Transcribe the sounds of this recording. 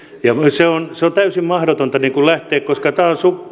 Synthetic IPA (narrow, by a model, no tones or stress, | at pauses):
jɑmseonseont̪æysimmɑhɾot̪ont̪ɑniːŋkullæht̪eːkkoskɑt̪æːonsup